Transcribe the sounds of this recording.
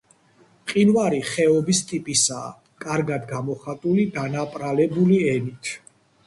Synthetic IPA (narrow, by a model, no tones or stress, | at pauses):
qʼinvaɾiχɛɔbist̪ʼipʼisa̰ː | kʼaɾɡad̪ɡamɔχat̪ʼulid̪anapʼɾalɛbuliɛnit̪ʰ